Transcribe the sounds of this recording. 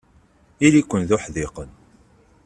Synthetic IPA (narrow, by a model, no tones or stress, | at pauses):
ilikʷːənðʊħðeqən